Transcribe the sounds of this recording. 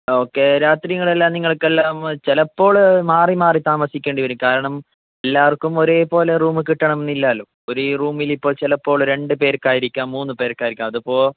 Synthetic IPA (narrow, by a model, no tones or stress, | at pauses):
o̞ːkːe̞ɾaːt̪rijɐŋːɐɭelːaːmniŋːɐɭkːelːaːmt͡ɕelɐpːo̞ːɭmaːrimaːrit̪aːmɐsikʲːeːɳɖiʋɐɾumkaːɾɐɳɐm | elːaːɐrkːumo̞ɾe̞ːpo̞ːleruːmɨkiʈːɐɳɐmenːilːaːlːo | oɾuruːmilipːo̞ːɭt͡ɕelɐpːo̞ːɭɾe̞ɳɖɨpe̞ːɾkaːjiɾikʲːaːmːuːnːɨpe̞ːɾkːaːjiɾikʲːaːmɐðupːo̞ːɭ